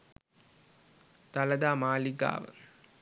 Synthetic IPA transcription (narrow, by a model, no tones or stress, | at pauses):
t̪ɐlɐd̪aːmaːliɡa̰ːʋə̰